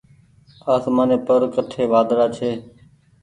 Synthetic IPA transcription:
aːsmaːneːpəɾkəʈʰeːʋaːd̪ɾaːt͡ʃʰeː

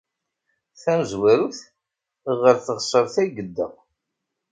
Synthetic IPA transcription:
θæməzwæɾuθ | ʁəɾθəʁsˤəɾˤθæɡəd̪ːəʁ

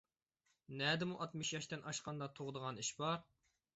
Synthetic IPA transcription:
nɛd̪ɪmuʔɑt̪mɨʃjɑʃt̪ɪnʔɑʃqɑnd̪ɑt̪ʰoʁd̪əʁɑniʃbɑɾ

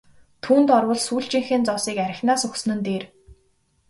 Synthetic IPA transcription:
t̪ʰuːnt̪ɔrwə̆ɮsuːɬt͡ɕĭŋxĕːnt͡sɔsiːkæɾʲɪ̆xnaːsɵxs̆nɘ̆nt̪eːr

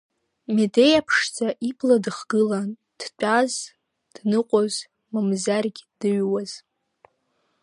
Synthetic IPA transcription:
medejapʰʂt͡sʰʼaʔipʰladɨχɡɨlan | d̥t͡pʷʼaz | d̥nɨqʷʼoz | mamzarɡʲd̥ɨɥwaz̥

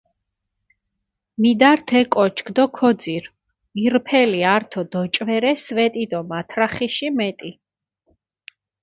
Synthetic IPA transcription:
mid̪aɾt̪ʰɛkʼɔt͡ʃʰkd̪ɔkʰɔd̪ziɾ | iɾpʰɛliaɾt̪ʰɔd̪ɔt͡ʃʼvɛɾɛsvɛt̪ʼid̪ɔmat̪ʰɾaχiʃimɛt̪ʼi

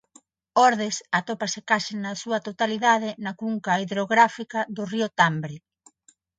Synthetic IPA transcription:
ɔɾð̞esat̪opɐsɪkasɪnɐsuɐt̪ot̪aliðað̞ɪnɐkuŋkaiðɾoɣɾafikɐðʊriʊt̪ambɾɪ

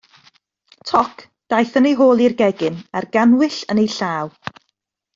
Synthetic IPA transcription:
tʰɔkʰ | d̥ajθənejɦoːlˠirɡɛɡɪnarɡanwɪɬənejɬaːw

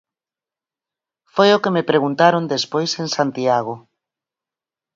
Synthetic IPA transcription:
fojʊkemepɾeɣunt̪aɾond̪espojseŋsant̪iaɣ̞o

